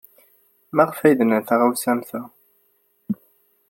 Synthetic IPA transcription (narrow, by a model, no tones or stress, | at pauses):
mæʁfæjd̪ənəθaʁawsæmθæ